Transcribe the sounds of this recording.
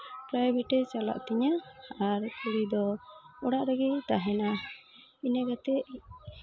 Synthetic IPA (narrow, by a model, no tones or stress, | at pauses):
pɾajbɛʈɛt͡ʃala̰ʔt̪ɛɲaaɾkuɽid̪ɔɔɽaʔɾaɡit̪aɦɛna | inɛɡat̪ɛʔ